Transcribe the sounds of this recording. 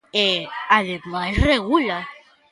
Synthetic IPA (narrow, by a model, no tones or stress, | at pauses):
eaðemasreɣula